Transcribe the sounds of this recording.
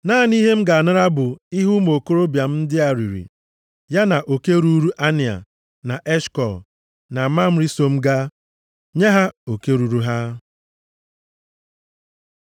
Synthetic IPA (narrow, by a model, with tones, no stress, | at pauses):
naː˦˨ni˦ɦe˦m̩˦ɡa˨a˨nʊ˦ɾa˦bʊ˨ɪ˦ɦu˦mo˨ko˦ɾo˦bja˨m̩˦dɪ˦a˨ɾi˨ɾḭ˨ | ja˦na˨ʔo˨ke˦ɾu˦ɾu˦ʔa˦nɪ˨a̰˨ | na˨ʔɛ˦ʃkɔ˨l | na˨˦ma˦m̩˦ɾi˦so˦m̩˦ɡa˦ | ɲa˦ɦa˦o˨ke˦ɾu˨ɾu˦ɦa˦